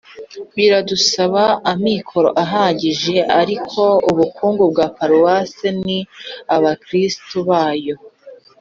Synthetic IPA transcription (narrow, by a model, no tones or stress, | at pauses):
βiɾadusaβaːmikʰo̞ɾo̞̰ʔaɦaːɲɟiʒe̞ʔaɾikʰo̞uβukʰuːŋɡubɡaːpaɾuwaseniaβakɾistuβaːjo̞